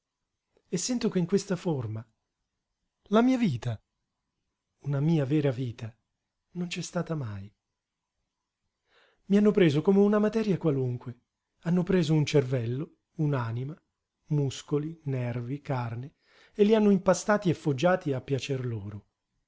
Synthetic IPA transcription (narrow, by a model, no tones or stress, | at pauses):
esːɛnt̪okeiŋkwest̪aforma | lamiːaviːt̪a | unamiːavɛːɾaviːt̪a | nont͡ʃɛst̪aːt̪amaj | mianːopɾeːzokomeunamat̪ɛɾjakwaluŋkwe | anːopɾeːzount͡ʃervɛlːo | unaːnima | muskolinɛrvikarne | elːianːoimpast̪aːt̪iefːod͡ʒːaːt̪iapːjat͡ʃerloːɾo